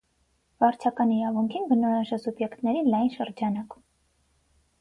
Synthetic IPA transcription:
vɑɾt͡ʃʰɑkɑniɾɑvuŋkʰinbənɔjɑʒɛsubjɛkt̪nɛɾinlɑjnʃəɾd͡ʒɑnɑk

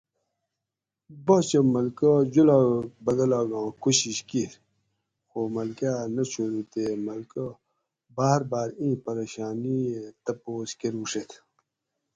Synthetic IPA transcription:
bɐt͡ɕəmɐlkəd͡ʑulabɐd̪ɐlaːɡɑ̃ːkuɕiɕki | xomɐlkaːnɐɕuɾut̪emɐlkə | baːɦɾbaːɾĩːpɐɾeːɕaːniet̪ɐpoːskeɾuːʂet̪ʰ

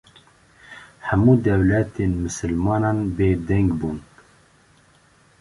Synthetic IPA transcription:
hæmuːd̪ɛwlɛt̪ʰenmɨsɨlmɑːnɑːnbeːd̪ɛŋɡbuːn

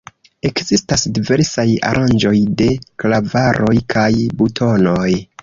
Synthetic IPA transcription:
e̞kzistasdive̞ɾsaja̰ɾʔand͡ʒo̞jde̞klavaɾo̞jkʰajbutʰo̞no̞j

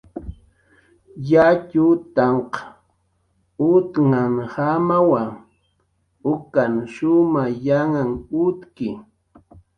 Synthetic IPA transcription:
jat͡ʃʊt̪ɑɴqɑ̥ | ʊt̪ŋaŋhamawaŋ | ʊkanʃʊmajaŋaŋʊt̪kɪ

